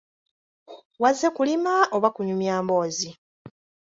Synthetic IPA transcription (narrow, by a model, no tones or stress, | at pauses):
wazːekulimaʔoβakuɲumjaːmbo̞ːzi